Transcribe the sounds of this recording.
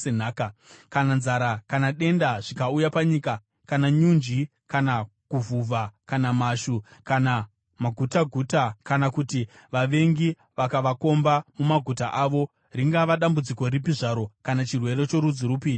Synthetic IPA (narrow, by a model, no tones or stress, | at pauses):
enaːkakananzaɾakanaɗe̞ndaʐikaujapaɲika | kanaɲund͡ʒi | kanakuvuvʱakanamaʃukana | maɡʱutaɡʱuːtakanakuti | ʋaʋe̞ŋɡi | ʋakaʋako̞mbamumaɡʱutaʔaʋo̞ | riŋɡaʋaɗambud͡ziko̞ɾip̬iʐaɾo̞kanat͡ʃirwe̞ɾe̞t͡ʃo̞ɾud͡ziɾupiːɲu